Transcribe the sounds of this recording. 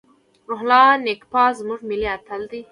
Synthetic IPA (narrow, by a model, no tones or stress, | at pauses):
ɾoɦlɑːnekpɑːzmuʐmiliat̪ʰəld̪i